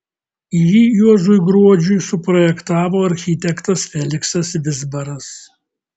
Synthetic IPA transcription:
ijiːjuɔʒuɪɡɾuɔd͡ʒʲʊjsʊpɾɔjɛkt̪ɑːʋoːɐɾʲxʲiːt̪ʲɛkt̪ɐsfʲɛlʲɪksɐsʋʲɪzbɐɾɐs

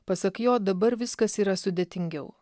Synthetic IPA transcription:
pɐsɐkjoːd̪ɐbɐɾʋʲɪskɐsiːɾɐsʊd̪ʲeːt̪ʲɪŋʲɡʲɛʊ

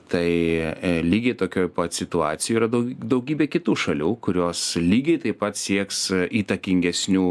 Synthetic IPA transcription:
t̪ɐɪlʲiːɡʲɛɪt̪oːkʲoːjpɐt̪sʲɪt̪ʊɑːt̪sʲɪjuiːɾɐd̪ɐd̪ɐʊɡʲiːbʲeːkʲɪt̪uːʃɐlʲuːkʊɾʲoːslʲiːɡʲɛɪt̪ɐɪppɐt̪sʲiɛksiːt̪ɐkʲɪŋʲɡʲɛsʲnʲuː

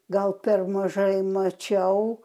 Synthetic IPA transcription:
ɡɐlˠpʲɛrmɐʒɐɪmɐt͡ʃʲɛʊ

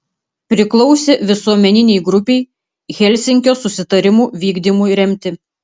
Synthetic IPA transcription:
pʲɾʲɪklˠɒʊsʲeʋʲɪsuɔmʲɛnʲɪnʲɛɪɡɾʊpʲɛɪ | ɣʲɛlʲsʲɪŋʲkʲoːsʊsʲɪt̪ɐɾʲɪmuːʋʲiːɡd̪ʲimʊjɾʲɛmʲt̪ʲɪ

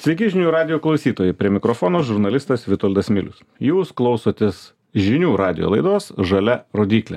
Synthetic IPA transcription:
sʲʋʲɛɪkʲɪʒʲɪnʲuːɾɑːd̪ʲɪjoːklˠɐʊsʲiːt̪oːjɛɪpʲɾʲiɛmʲɪkɾofoːnoːʒʊɾnɐlʲɪst̪ɐsʋʲɪt̪oːlʲd̪ɐsmʲɪ̰lʲʊ̰s | juːsklˠɒʊsoːt̪ʲes | ʒʲɪnʲuːɾɑːd̪ʲɪjo̰lˠɐɪd̪oːsʒɐlʲɛɾoːd̪ʲiːklʲḛ

